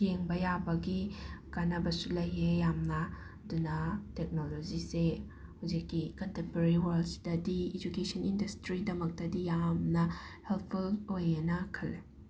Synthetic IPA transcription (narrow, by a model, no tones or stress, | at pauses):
eŋbɐjabɐɡikanɐbɐsulɐjɦejamnɐ | dunɐtek̚nolozise | hawzikːikɐntempeɾɾiwɐɾldsdɐdied͡ʒukesɔnindɐstɾidɐmɐk̚tɐdijamnɐhelt̚ʰpʰulojenɐkʰɐlːe